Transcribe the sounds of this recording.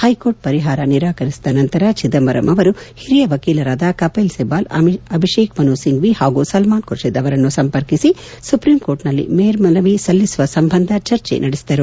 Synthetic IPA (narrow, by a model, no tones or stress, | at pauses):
hɐjkoːɾʈ̚pɐɾiɦaːɾɐniɾaːkɐɾisi̥d̪ɐnɐnt̪ɐɾat͡ʃid̪ɐmbɐɾɐ̰mʔɐʋɐɾuhiɾijɐʋɐkiːlɐɾaːd̪aːkɐpɐjlsebaːlɐɐbʱiʃeːkmɐnuːsiŋɡʋihaːɡusɐlmaːnkuɾʂed̪ɐʋɐɾɐnːusɐmpɐɾkisi | supɾiːmko̞ːɾʈnɐlːḭmeːɾmɐlɐʋisɐlːisuʋɐsɐmbʱɐnd̪ʱɐt͡ʃɐɾt͡ʃḛnʔɐɽisi̥d̪ɐɾu